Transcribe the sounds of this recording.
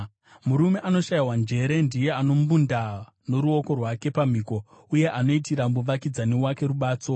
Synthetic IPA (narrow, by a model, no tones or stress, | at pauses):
muɾume̞ʔano̞ʃaiwand͡ʒe̞ɾe̞ndije̞ano̞mbunda | no̞ɾuo̞ko̞rwake̞pam̤iːko̞ | uje̞ʔano̞itiɾamuʋakid͡zane̞wake̞ɾuɓaːt͡so̞